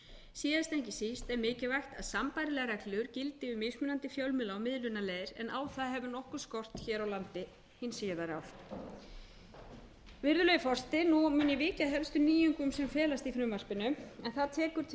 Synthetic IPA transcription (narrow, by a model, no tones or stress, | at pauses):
siːðast̪ɛɲcɪsist̪ɛɾmɪːcɪvajxt̪aðsampajɾɪlɛːɣaɾaklɪɣʏɾcɪlt̪ɪʏmeːjsmʏnant̪ɪfjawlmɪlaːwmɪðlʏnaleːðɪɾɛ̰naːwθaðɦɛvʏnɔhkʏɾ̥skɔr̥t̪çɛːɾawlant̪ɪ | hinsiːjðaɾawf | vɪɾðʏlœjʏfɔr̥t̪ɪnumʏːnjɛvɪːcaðɦɛlst̪ʏniːjʏŋkʏmsɛmfɛːlast̪ifɾʏmvar̥pɪnːʏmɛnθaðt̪ʰɛːkʏɾ̥t̪ʰ